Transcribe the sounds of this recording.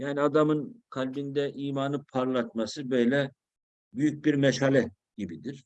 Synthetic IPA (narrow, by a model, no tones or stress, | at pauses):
jaːniad̪amɯnkʰalʲbind̪ɛʔiːmaːnɯpʰaɾlˠat̪̚masɯbø̞jlʲɛ | byjyc̚biɾmɛʃhalʲɛ | ɟ̥ibid̪iɾ̥